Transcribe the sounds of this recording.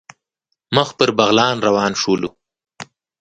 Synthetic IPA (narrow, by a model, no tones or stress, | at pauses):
məxpəɾbaɣlɑːnɾawɑːnʂulu